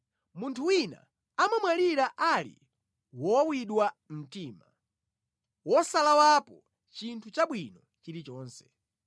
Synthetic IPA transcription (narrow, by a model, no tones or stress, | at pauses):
muntʰuwina̰ | amamwaliɾaʔalḭ | wɔwiɗwam̩tiːma | wɔsalawapɔ | t͡ʃintʰut͡ʃaɓwinɔ | t͡ʃiɾit͡ʃɔːnsɛ̥